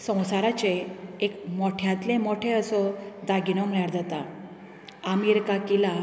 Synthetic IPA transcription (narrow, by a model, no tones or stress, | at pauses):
sə̃w̃saɾat͡ɕeːkmɔʈʰjãt̪lẽmɔʈʰeəsɔd̪aɡinɔm̤əɭjaɾd͡zat̪a | amiɾkakila